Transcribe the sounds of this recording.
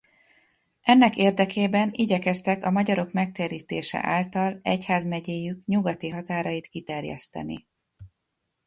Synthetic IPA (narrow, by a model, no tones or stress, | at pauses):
ʔɛnːɛkeːrd̪ɛkʰeːbɛniɟɛkɛst̪ɛkɒmɒɟɒɾo̞kmɛk̚t̪eːɾiːt̪ḛːʃɛ̰ʔaːlt̪ɒlɛchaːzmɛɟeːjykɲuɡɒt̪iɦɒt̪aːɾɒjit̪kit̪ɛrjɛ̰st̪ɛ̰nḭ